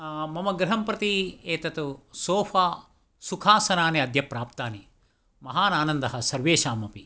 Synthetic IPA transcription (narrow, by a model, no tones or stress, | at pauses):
mɐmɐɡɾɐɦɐmpɾɐt̪ieːt̪ɐt̪usoːfʰaː | sukʰaːsɐnaːniɐd̪ʱjɐpɾaːp̚t̪aːni | mɐɦaːnaːnɐnd̪ɐɦɐsɐɾʋeːʃaːmɐpi